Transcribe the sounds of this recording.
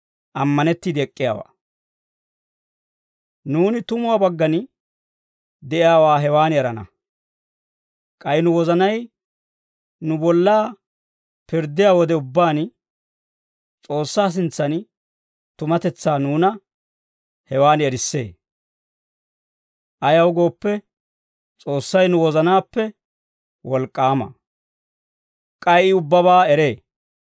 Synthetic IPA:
ʔɐmːɐnɛt̪ːiːd̪ɪɛkʼːɪja̰ːwa̰ː | nuːnɪt̪ʊmʊwaːbɐɡːɐn | d̪ɛʔɪjaːwaːɦɛwaːnɛɾɐnɐ̰ | kʼɐjɪnʊwɔzɐnɐj | nʊbɔlːaː | pɪɾd̪ːɪjaːwɔd̪ɛʊbːaːn | t͡sʼo̞ːsːaːs̬ɪnt͡sːɐn | t̪ʊmɐt̪ɛt͡sːaːnuːnɐ | hɛwaːnɛɾɪsːe̞̰ː | ʔɐjɐwɡo̞ːpːɛ | t͡sʼo̞ːsːɐjnʊwɔzɐnaːpːɛ | wɔlkʼːaːmɐ̰ | kʼɐjɪʊbːɐβaːɛɾe̞ː

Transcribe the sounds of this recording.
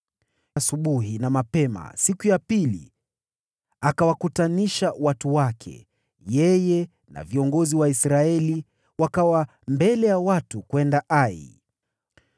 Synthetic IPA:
suɓuɦinamapɛma̰sikujapilḭ | akawakutaniʃawatuwakʰɛ̰ | jɛjɛ | na̰viɔŋɡɔziwaisɾaɛli | wakawa | mbɛlɛjawatukwɛndaʔaḭ

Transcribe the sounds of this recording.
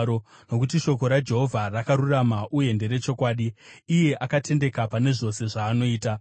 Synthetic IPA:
o | no̞kut̬iʃo̞ko̞ɾad͡ʒe̞ɦo̞vʱarakaɾuramaʔuje̞nde̞ɾe̞t͡ʃo̞kwaːɗiːje̞ʔakate̞nde̞kapane̞ʐo̞se̞ʐaːno̞iːta

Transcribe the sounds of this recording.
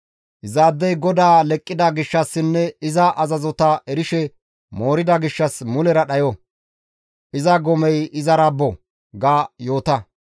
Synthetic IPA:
ʔɪzaːd̪ːɛjɡɔd̪aːlɛkʼːɪd̪ɐɡɪʃːɐsːɪnːɛɪzɐʔɐzɐzɔt̪ɐʔɛɾɪʃɛ | mo̞ːɾɪd̪ɐɡɪʃːɐsmʊlɛɾɐɗɐjɔ | ʔɪzɐɡɔmɛjɪzɐɾɐbːɔ | ɡaːjo̞ːt̪ɐ

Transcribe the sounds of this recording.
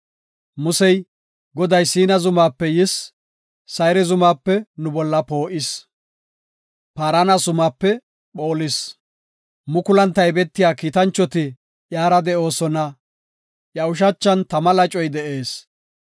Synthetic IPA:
mʊsɛj | ɡɔd̪ɐjsiːnɐzʊmaːpːɛjɪsː | ɐjɾɛzʊmaːpːɛnʊbɔlːɐpo̞ːʔɪs | paːɾanɐsʊmaːpːɛ | ɓoːlɪs | mʊkʊlɐnt̪ːɐjbɛt̪ːɪjaːkiːt̪ɐnt͡ʃːɔt̪ɪ | ʔjaːɾɐd̪ɛʔo̞ːsɔnɐ | ʔjɐʊʃ̬ɐt͡ʃːɐnt̪ɐmɐlɐt͡ʃʼɔjd̪ɛʔe̞ːs

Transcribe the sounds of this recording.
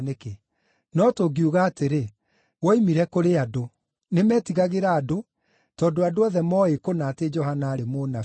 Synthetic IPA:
neke | nɔtoɡiuɣaːteɾe | wɔimiɾɛkoɾeado | nemɛːtiɣaɣeɾaːdo | tɔːdoadoaðɛmɔekonaːted͡ʒɔhanaːɾemona

